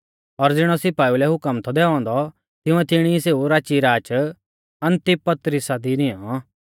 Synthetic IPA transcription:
ɔɾd͡zɪɽ̃ɔsɪpaːilɛɦʊkəmt̪ʰɔd̪ɛːɔ̃ːnd̪ɔ | t̪ɪũɛt̪ɪɽ̃iseːuɾaːt͡ʃiɾaːt͡ʃ | ɐnt̪ɪpɐt̪ɾisad̪inɪ̃ɔ̃

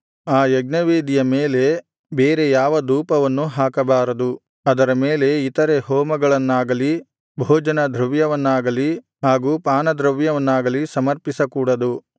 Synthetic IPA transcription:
aːjɐɡnɐʋeːd̪ijɐmeːle̞ | beːɾe̞jaːʋɐd̪uːpɐʋɐnːuɦaːkɐbaːɾɐd̪u | ɐd̪ɐɾɐmeːle̞it̪ɐɾe̞ɦɔːmɐɡɐɭɐnːaːɡɐli | bʱɔːd͡ʒɐnɐd̪ʱɾɐʋjɐʋɐnːaːɡɐli | ɦaːɡuːpaːnɐd̪ɾɐʋjɐʋɐnːaːɡɐlisɐmɐɾpisɐkuːɽɐd̪u

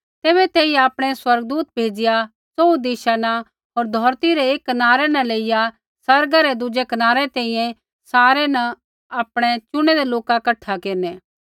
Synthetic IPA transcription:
t̪eːβɛt̪eːij̃aːpɽ̃ɛswɐɾɡ̚d̪uːt̪̚bʱeːd͡ʒɪja | soːud̪iːʃanã | ɦoːɾd̪ʱɔːɾt̪iɾeeːkːɐnaːɾɛnɐ̃leːɪja | sɐɾɡaɾed̪ʊd͡ʒekɐnaːɾɛt̪ɛ̃ːĩjɛ̃ | saːɾɛnɐ̃ | aːpɽ̃et͡ʃʊɽ̃ɛd̪eloːkakɐʈʰːakeːɾnɛː

